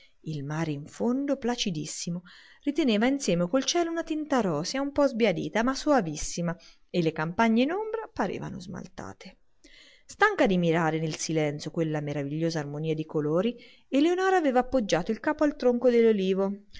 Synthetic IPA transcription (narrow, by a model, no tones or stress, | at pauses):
ilmaːɾeiɱfond̪oplat͡ʃid̪isːimo | rit̪eneːvainsjɛːmekolt͡ʃɛːlounat̪int̪aɾɔːsjaumpɔzbjad̪ḭːt̪amasːoavisːima | elːekampaɲːenombɾapaɾḛːva̰no̰zma̰lt̪a̰ːt̪e | st̪aŋkad̪imiɾaːɾenelsilɛnt̪sjokwelːameɾaviʎːoːzaːrmoniːad̪ikoloːɾi | elːeonɔːɾaːveːvaːpːod͡ʒːaːt̪oilkaːpoalt̪ɾoŋkod̪elːoliːvo